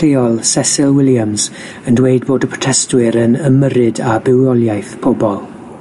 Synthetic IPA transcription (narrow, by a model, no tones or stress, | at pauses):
ejɔlˠsɛsɪlˠwɪljamz̥ | əndweɨd̚boːdəpʰr̥ɔ̥tʰɛstwɪɾənəməɾɨdabɪwɔlˠjajθpʰɔbɔlˠ